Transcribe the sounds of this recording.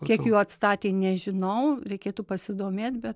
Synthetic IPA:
kʲiɛkjuːɐt̪st̪ɑːt̪ʲeːnʲɛʒʲɪnɐʊɾʲɛɪkʲeːt̪upɐsʲɪd̪oːmʲeːt̪ʲbʲɛt̪

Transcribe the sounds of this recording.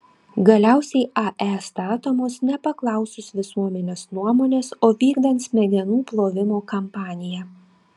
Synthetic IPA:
ɡɐlʲæˑʊsʲɛɪɑʔɛst̪ɑːt̪oːmoːsnʲɛpɐklˠɐˑʊsʊsʋʲɪsuɔmʲɛnʲeːsnuɔmoːnʲeːsoːʋʲiːɡd̪ɐnt̪smʲɛɡ̪ʲɛnuːplˠoːʋʲɪmoːkɐmpɑːnʲɪjɛ

